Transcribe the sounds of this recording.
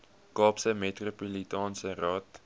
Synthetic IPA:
kɑːpsəmetropolitɑːnsərɑːt

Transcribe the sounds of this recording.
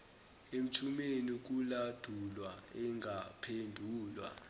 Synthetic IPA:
em̩tʰumenik̬ulad̥ʱulwaɛŋʱapʰendʱuːlwa̰

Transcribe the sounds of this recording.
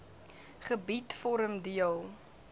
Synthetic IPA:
χəbitfɔɾəmdiəlˠ

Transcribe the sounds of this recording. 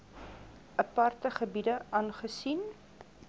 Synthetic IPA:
ʔəpɐrtəχəbidəʔɐːnχəsin

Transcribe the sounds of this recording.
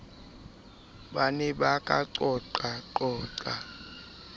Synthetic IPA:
ɓanɛɓakʼa̰ǀɔǀaǃɔːǀa

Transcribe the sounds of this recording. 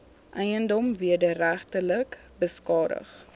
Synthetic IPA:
ʔɛjəndɔmviədəræχtələk | bəskɑːdə̰χ

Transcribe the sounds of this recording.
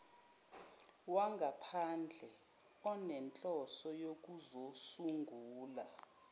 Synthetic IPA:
waŋɡʱapʰand͡ɮʱɛ | ɔnɛnt͡ɬʼɔsɔjok̬uzosuŋɡʱuːla

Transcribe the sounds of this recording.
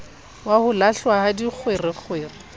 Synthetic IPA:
wahʊlaɬwahadik͡xʰwerɪk͡xʰwɪːrɪ

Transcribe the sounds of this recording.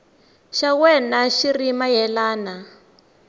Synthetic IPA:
ʃawɛnaʃirimajɛlaːna

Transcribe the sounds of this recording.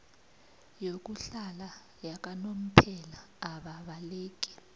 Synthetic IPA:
jok̬uɬala | jak̬ʼanom̩pʰɛlaː | ɓaɓaleːk̬ʼi̥

